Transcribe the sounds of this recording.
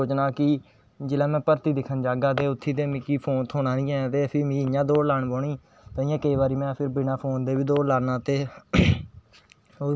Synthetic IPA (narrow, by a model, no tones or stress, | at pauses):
oːt͡ʃnaːkɪ | d͡ʒɪlãːmɛ̃ːpəɾt̪iːd̪ɪkʰːənd͡ʒaːɡaːt̪̬eːʊt̪ʰːiːd̪eːmɪkːiːpʰoːnt̪ʰoːnãːnĩːɛ̃ːt̪eːpʰɪmiːɪjãːd̪oːlaɳbɔːɳiː | t̪ãɪjãːkəiːʋaːɾiːmɛ̃ːpʰɪɾbɪnãːpʰoːnd̪eːbiːd̪oːlaːnaːt̪eː | o